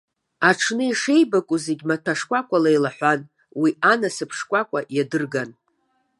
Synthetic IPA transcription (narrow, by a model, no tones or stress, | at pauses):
aʈ͡ʂʰnɨiʂe̞jbakʷʼuzeɡʲmatʰaʂkʷʼakʷʼalajlaħʷan | wianasɨpʰʂkʷʼakʷʼaʔjadɨrɡan